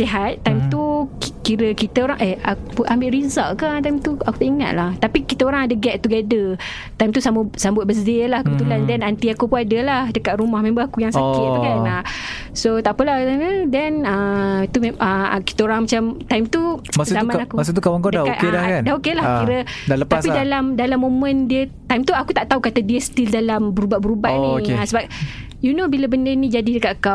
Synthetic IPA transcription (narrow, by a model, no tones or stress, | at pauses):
siɦat̪ːajmt̪ukkiɾəkit̪əoɾaŋʔeakuʔambɪʔɾizaʔkant̪ajmt̪uaku̥t̪aʔiŋa̰t̪̚laht̪apikit̪əoɾaŋadəɡɛʔ̪̚t̪uɡadə | t̪ajmt̪usambʊsambʊt̪̚bəsdelahkəbət̪ulandɛnant̪iakupuadəlahdəkaʔ̪̚ɾumahmẽmbəakujaŋsakɪt̪̚t̪ukana | sot̪aʔpəlasanədɛnait̪umeaki̥t̪aoɾaŋmat͡ʃamt̪ajmt̪umaszamãnakuas̬it̪ukawaŋkadaakelakandaokelahkiɾədalətapidalamdalamːõmə̃ndiət̪ajmt̪uakut̪aʔt̪aukat̪adiəst̪ildalambəɾubabəɾubanĩkeasəbap̚ | junobilabəndənĩd͡ʒadidəkat̪kaw